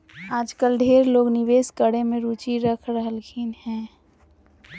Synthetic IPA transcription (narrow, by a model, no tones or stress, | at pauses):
aːd͡ʒkəlɖʱeːɾloːɡnɪʋeːskəɽemẽɾuːt͡ʃiɾəkʰɾəɦəlkʰiːnhɛ̃ː